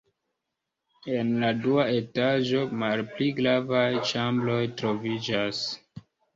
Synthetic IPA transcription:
e̞nladuae̞taʒo̞malpliɡɾavajt͡ʃamblo̞jtɾo̞vid͡ʒas

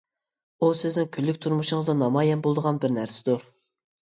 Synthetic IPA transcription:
usɪznɪŋkʲʰylːyk̚ʲt̪ʰuɾmuʃʊŋəzd̪ɑnɑmɑjɛnbolˠd̪əʁɑnbɪɾnæɾsɪ̥d̪u

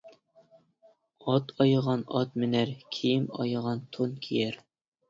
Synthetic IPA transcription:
ɒt̪ʰɒjɤʁɑnɒt̪mɘ̆næɾkʰijɘmɒ̰jɤ̆ʁɑnt̪ʰonkʰijæɾ

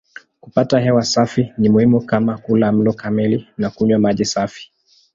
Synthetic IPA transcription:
kupataɦɛwasafinimuhimukamakulam̩lɔkamilinakuɲwamaʄisafi̥

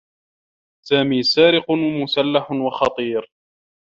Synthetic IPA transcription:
saːmiːsaːɾɪqʊwmʊsalːaħwɑxɑt̪ˤiːɾ

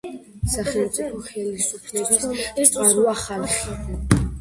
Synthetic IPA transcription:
saχɛlˠmt̪sʼipʰɔχɛlisupʰlɛbisʼaɾuaχalˠχi

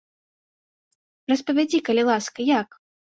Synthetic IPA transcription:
rɐspɐvʲad͡zʲikɐlʲilˠaskɐjak

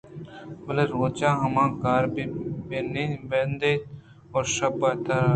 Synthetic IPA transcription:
bəleɾoːt͡ʃãːɦəmãːkaːɾbbeːnibend̪eːt̪ | oːɾʃəbat̪aː

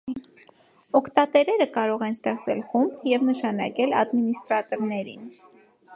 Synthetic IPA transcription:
ɔkʰt̪ɑt̪ɛɾɛɾəkɑɾɔʁɛnst̪ɛχt͡sʰɛ̰lχumbjɛvnəʃɑnɑkɛlɑ̰d̪minist̪ɾɑt̪ɔɾnɛɾin

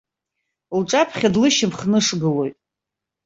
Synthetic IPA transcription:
lʈ͡ʂʼapʰχʲadlɨʃɪmχnɨʂɡɨlo̞jtʼ

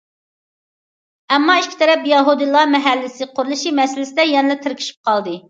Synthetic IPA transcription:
ɛmːɑiʃkʲi̥t̪ʰɛɾɛpjɛɦud̪ɨlˠɑmɛɦælːɪsɪqʰoɾlˠɨʃimɛsɪlɪsɪd̪ɛjɛnɪlɛt̪ʰɪɾkʲʰi̥ʃi̥p̚qʰɑlˠd̪ɨ

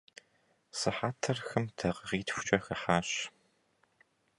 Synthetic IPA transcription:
sɨħaːtʰɐrxɨmtʰɐʁəʁiːtfʷʊ̥t͡ʃʼɐxɐħaːɕ

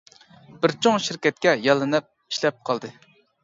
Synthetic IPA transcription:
b̥ɪɾt͡ʃʰoŋʃiɾkʲɛt̪̚kʲɛjɑlˠːɨnɨp̚ | i̥ʃlɛp̚qʰɑlˠd̪ɨ

